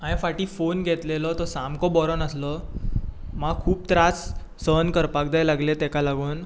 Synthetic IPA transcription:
ãjẽfaʈiːfonɡʱet̪lelɔt̪ɔsamkɔbɔɾɔnəslɔ | maɡkʰuːp̚t̪ɾasː | ənkəɾpak̚d̪ajlaɡlet̪ɛkalaɡuːn

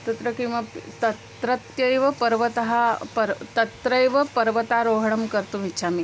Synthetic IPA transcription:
t̪ɐt̪ɾɐkiʋapt̪ɐt̪ɾɐt̪jɐjʋɐpɐɾʋɐt̪ɐɦapɐɾt̪ɐt̪ɾəjʋɐpɐɾʋɐt̪aɾoːɦɽɐmkɐɾt̪umitːʰami

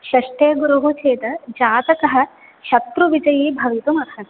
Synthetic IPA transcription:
ʃɐʂʈeːɡuɾuɦut͡ʃʰeːt̪ɐd͡ʒaːt̪ɐkɐɦɐ̆ | ʃɐt̪ɾuʋid͡ʒɐjiːbʱɐʋit̪umɐt̪ʰɐ

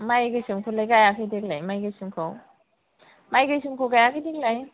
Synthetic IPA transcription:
majɡɯjsimkʰolajɡajakʰijdek̚lajmajɡɯjsimkʰaw | majɡɯjsimkʰowɡajakʰijdiklaj

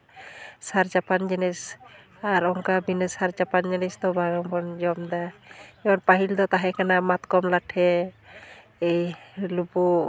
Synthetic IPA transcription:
saɾd͡ʒapand͡ʒinɛs | aɾɔŋkabinəsaɾd͡ʒapand͡ʒinɛsd̪ɔbaɡɔŋbɔnd͡ʒɔmd̪aɛɔnpaɦild̪ɔt̪aɦɛkʰanamat̪kɔmlaʈʰɛ | ejlupu

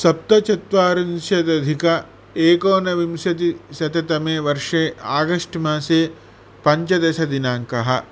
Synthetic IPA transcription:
sɐp̚t̪ɐt͡ʃɐt̪ʋaːɾɐnʃjɐt̪ɐd̪ʱikɐ | eːkoːnɐʋimsjɐt̪isɐt̪ɐt̪ɐmeːʋɐɾʂeːʔaːɡɐʂʈmaːseː | pɐɲt͡ʃɐd̪ɐʃɐd̪inaːŋkɐɦɐ

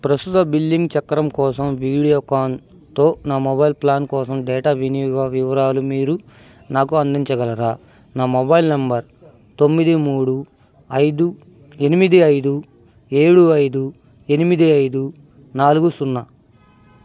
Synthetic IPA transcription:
pɾɐst̪ut̪ɐbilːiŋɡt͡ʃɐkːɐɾɐmkɔːsɐmʋiːɽijoːkaːn | t̪o̞ːnaːmɔbɐjlplaːnkɔːsɐmɖɛːʈaːʋinijuɡaːʋiʋɐɾaːlumiːɾu | naːkuɐnd̪iɲt͡ʃɐɡɐlɐɾaː | naːmobɐjlnɐmbɐɾ | t̪omːid̪imuːɽu | ɐjd̪u | e̞nimid̪iɐjd̪u | eːɽuɐjd̪u | e̞nimid̪iɐjd̪u | naːluɡusunːa

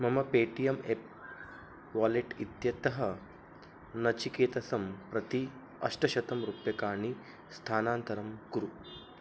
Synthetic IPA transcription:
mɐmɐpeːʈijɐmep̚ | ʋaːleʈit̪jɐt̪ɐɦɐ | nɐt͡ʃikeːt̪ɐsɐmpɾɐt̪i | ɐ̰ʂʈɐʃɐt̪ɐmɾupjɐkaːɳi | st̪ʰaːnaːnt̪ɐɾɐmkuɾu

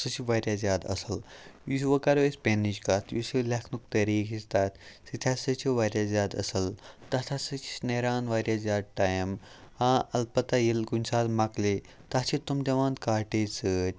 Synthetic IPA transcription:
sɨt͡ʃʰiʋaːɾʲjaːzʲjaːd̪ɐ̰sɐljusʋɐkɐɾesʲpʲenid͡ʒkɐt̪ʰjusilɐkʰnuk̚t̪ɐɾiːkʰist̪aːt̪ʰʲsit̪ʲʰasɨt͡ʃʰiʋaːɾʲjaːzjaːd̪ɐ̰sɐlt̪ɐt̪ʰasɨt͡ʃʰi̥neɾaːnʋaːɾjaːzʲjaːd̪̚ʈaːjm | aːɐlpɐt̪ajilɡunʲsaːd̪mɐkli | t̪ɐt͡ʃʰit̪umd̪ʲɐʋãːnt̪kaːʈeːsɨːtʲ

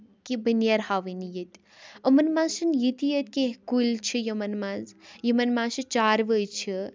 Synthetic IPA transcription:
kibənjaɾhaːʋinijit̪ʲ | əmɐnmãzsɨnjit̪ijet̪kẽɦkult͡ʃʰijimɐnmãːzjimɐnmãːsit͡ʃaːɾʋət͡ʃʰi

